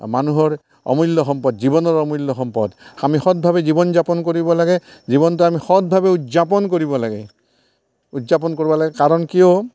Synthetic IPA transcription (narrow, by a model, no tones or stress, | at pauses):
manuɦɔɹ | ɔ̰mɔlɔxɔmpɔdzibɔnɔɹɔmɔjlːɔxɔmpɔdamixɔt̚bʱabɛzibɔnzapɔnkoɹibɔlaɡɛzibɔntuamixɔt̚bʱabɛutzapɔnkoɹibɔlaɡɛ̰ | utzapɔnkoɹibɔlaɡɛkaɹɔnkiɔ